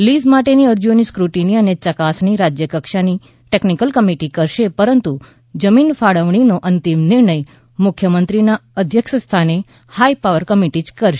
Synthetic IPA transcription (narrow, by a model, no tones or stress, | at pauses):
lizmaʈeniəɾd͡ʒoniskɾuʈiniənet͡ʃəkasniɾad͡ʒjəkəkʃani | ʈeknikəlkəmiʈikəɾʃepəɾənt̪u | d͡ʒəminfaɽəʋɳ̃inoʔənt̪imnɪɾɳəj | mʊkʰjəmənt̪ɾinaəd̪ʱjəkʃəst̪ʰane | hajpaʋəɾkəmiʈid͡ʒkəɾʃe